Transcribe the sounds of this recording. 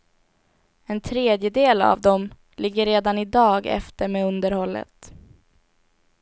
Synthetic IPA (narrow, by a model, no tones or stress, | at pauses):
ɛnt̪ʰɾeːd̪jəd̪eːla̰vd̪ɔm | lɪɡːəɾeːd̪anɪd̪ɑːɡɛ̰ft̪əɾmeːɵnd̪əɾhɔlːə̰t̪